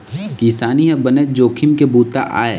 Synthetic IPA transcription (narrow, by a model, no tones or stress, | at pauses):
kisaːniɦɛ̃bəned͡ʒoːkʰɪmkebuːt̪a̰ʔa̰ːe